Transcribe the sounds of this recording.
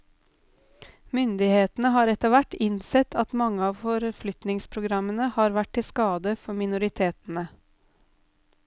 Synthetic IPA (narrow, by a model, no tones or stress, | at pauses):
mʏnd̪ɪheːt̪n̩əɦɑːɾɛt̪əʋæʈɪnsɛt̪ʰɑt̪mɑŋːəɑːʋfɔɾflʏt̪nɪŋspʰɾʊɡɾɑmənəhɑːɾʋæʈʰːɪskɑːd̪əfɔmɪnʊɾɪt̪ʰeːt̪n̩ə